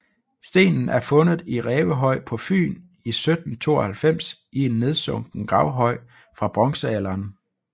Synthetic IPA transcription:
sd̥e̝̰ːnn̩æɐfɔ̽nð̩ˠiʁɛːʋəɦɒ̽ɪ̰pʰɒ̽fy̰ːn | isød̥n̩t͡sʰo̝̰ːɒhælfem̰sʔie̝nːe̝ð̞ˠsɔ̽ŋ̰ɡ̥n̩ɡ̥ʁɑ̈ʊɦɒ̽ɪ̰ | fʁɑ̈b̥ʁɒ̽ŋsəælɐːn

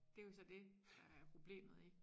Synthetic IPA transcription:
d̥e̝jsɒ̽d̥e̝d̥ɑæɐpʰʁo̝b̥le̝̰ːmð̞̩ˠi̥

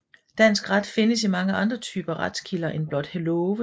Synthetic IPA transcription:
d̥æn̰sɡ̥ʁad̥fe̝nəsimɑ̈ŋəʔɑ̈nd̥ʁɐt͡sʰyːb̥ɐʁad̥skʰilɐʔenb̥lɒ̽d̥helɔːʋə

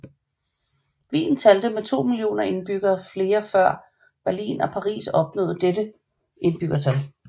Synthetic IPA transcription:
ʋḭːn̩t͡sʰæld̥əmet͡sʰo̝̰ːmilio̝̰ːnɐe̝nb̥yɡ̥ɐːfle̝ːɐfɶɐ̰ | b̥æɐlḭːnɒ̽pʰɑ̈ʁḭːsɒ̽b̥nɔ̰̽ːð̩ˠd̥edə | ʔe̝nb̥yɡ̥ɐt͡sʰæl

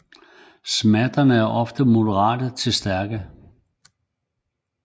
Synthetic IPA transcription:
smæd̥ɐnəæɐʔɒ̽fd̥əmo̝dəʁɑ̰̈ːd̥ət͡sʰe̝lsd̥æɐɡ̥ə

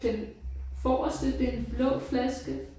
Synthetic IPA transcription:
enfɒːɐsd̥eld̥əenb̥lɔ̽ʊflæsɡ̥ə

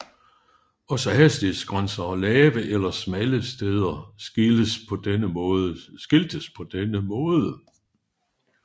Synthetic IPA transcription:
ɒ̽sɒhæsd̥isɡ̥ʁansɐɒlɛːʋəʔelɐsmæləsd̥eð̞ˠɐəspʰɒ̽d̥enəsɡ̥eld̥əspʰɒ̽d̥enəmɔ̽ːðˠə

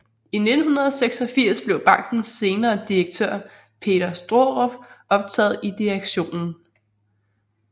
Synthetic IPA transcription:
ine̝d̥n̩hunɐð̞ˠɒseɡ̥sɒ̽fiɐ̰sb̥le̝ʊb̥ɑ̈ŋ̰ɡ̥n̩se̝ːnɐːd̥ieɡ̥̚t͡sʰøɐ̰ | pʰe̝̰ːɾ̥ɐsd̥ʁoʁɔfɒ̽b̥̚t͡sʰɛ̰ːð̩ˠid̥iæɡ̥ɕo̝̰ːnn̩

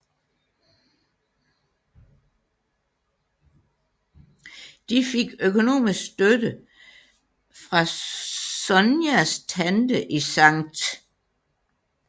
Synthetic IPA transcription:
d̥ife̝ɡ̥økʰo̝no̝̰ːmisɡ̥sd̥ødə | fʁɑ̈ | sɒnjæst͡sʰænd̥əʔisɑ̈ŋ̰d̥

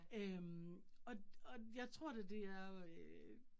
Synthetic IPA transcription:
ømɒ̽ɒ̽jɑ̈ɪt͡sʰʁo̝ɐ̰ded̥e̝æɐø

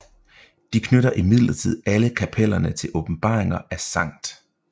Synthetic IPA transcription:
d̥ikʰnøɾɐʔimið̰ˠlɐt͡sʰið̰ˠæləkʰæpʰelɐnət͡sʰe̝lʔɔ̽b̥m̩b̥ɑ̰̈ːʁe̝ŋɐæsɑ̈ŋ̰d̥

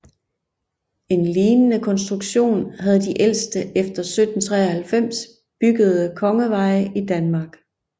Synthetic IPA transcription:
e̝nliːnənəkʰɒ̽nsd̥ʁuɡ̥ɕo̝̰ːnhæð̞ˠd̥iʔel̰sd̥əʔefd̥ɐsød̥n̩t͡sʰʁɛ̰ːɐhælfem̰s | b̥yɡ̥əð̞̩ˠəkʰɒ̽ŋəʋɑ̈ɪʔid̥ænmɑ̈ːɡ̥

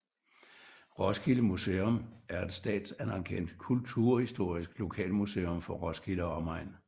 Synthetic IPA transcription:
ʁɒsɡ̥ʰiləmuseːomæɐe̝d̥sd̥ɛ̰ːd̥sænɑ̈ŋkʰen̰d̥kʰult͡sʰuɐ̰hisd̥o̝ɐ̰isɡ̥lo̝kʰɛ̰ːlmusḛːomfɒ̽ʁɒ̽sɡ̥ʰilɒɒmɑ̈ɪ̰n

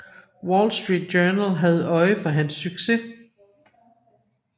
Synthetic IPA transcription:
wɒlsd̥ʁiːd̥̚ɡœːnəlɦæð̞̩ˠɒ̽ɪəfɒ̽ɦænsːyɡ̥se̝

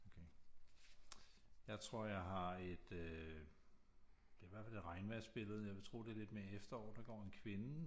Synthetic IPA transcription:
okʰe | jɑ̈ɪt͡sʰʁo̝ɐ̰jɑ̈ɪɦɑ̈e̝d̥ø | d̥e̝ʋæɐ̰fæle̝dʁɑ̈ɪnʋæɐ̰sb̥e̝ləð̞̩ˠjɑ̈ɪʋe̝t͡sʰʁo̝̰ːd̥e̝le̝d̥me̝ːɐefd̥ɐɒ̰ːd̥ɑ̈ɡ̥ɒ̰ːe̝nkʰʋe̝nə

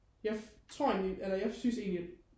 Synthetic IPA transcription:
jɑ̈ɪt͡sʰʁo̝ɐ̰e̝nliʔelɐjɑ̈ɪsyse̝̰ːnli̥

